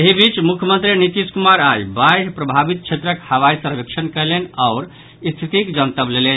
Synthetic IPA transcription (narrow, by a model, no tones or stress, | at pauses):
eɦibit͡ʃmukʰjəmə̃nt̪ɾinit̪iskumaɾajbajpɾəbʱabit̪̚t͡ʃʰet̪ɾəkhəʋajsəɾʋekʃʰənkəlenaʊɾ | ist̪ʰit̪ikd͡ʒənt̪əblelen